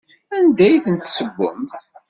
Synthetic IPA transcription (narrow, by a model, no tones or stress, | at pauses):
ænd̪æjθənt̪səbːə̰mθ